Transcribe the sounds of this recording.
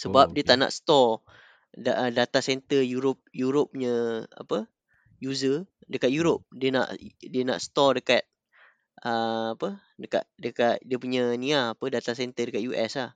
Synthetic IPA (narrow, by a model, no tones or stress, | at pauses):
səbap̚diət̪aʔna̰ʔst̪ɔ | dadat̪asɛnt̪əjuɾop̚juɾop̚ɲəa̰pə | juzədəkat̪̚juɾop̚diəna̰ʔdiəna̰ʔst̪ɔdəkat̪̚ | əapə | dəka̰ʔdəkat̪̚diəpuɲəniaːpədat̪asɛnt̪ədəkat̪̚juʔɛsah